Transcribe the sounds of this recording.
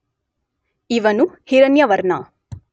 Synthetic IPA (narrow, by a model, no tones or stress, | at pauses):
iʋɐnuhiɾɐnjɐʋɐɾnɐ